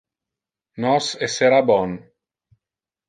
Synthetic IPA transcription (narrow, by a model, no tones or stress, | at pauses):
nɔseseɾabɔn